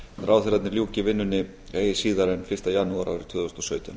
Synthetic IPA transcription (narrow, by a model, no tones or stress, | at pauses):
θɾʔaːwθɛɾat̪nɪɾljuːcɪvɪnːʏnːɪ | eːjɪsiːðaɾɛnfɪr̥st̪ajanːuaɾʔa̰wɾɪt̪ʰʏːðɔst̪ɔsœːɥt̪ʏn